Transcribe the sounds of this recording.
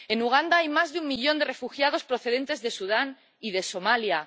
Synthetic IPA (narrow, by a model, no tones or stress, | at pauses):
e̞nuɣ̞and̪aajmazðeumːiʎo̞nd̪e̞re̞fuxjaðo̞spɾo̞θe̞ð̞e̞nt̪e̞zðe̞suð̞an | iðe̞so̞malja